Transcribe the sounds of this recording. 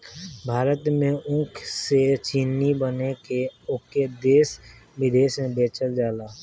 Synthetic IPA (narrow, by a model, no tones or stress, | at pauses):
bʱaːɾət̪mẽʔʊ̃ŋkʰset͡ʃiːnibənekeʊked̪eːsbɪd̪eːʃmẽbeːt͡ʃəld͡ʒaːlaː